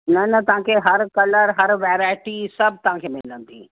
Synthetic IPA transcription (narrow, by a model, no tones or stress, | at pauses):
nɐnɐt̪ɐɦãkʰeɦɐɾkɐləɾɦɐɾʋeːɾaːɪʈisɐbʱt̪ɐʋ̤ãkʰeːmɪlə̃nd̪ḭː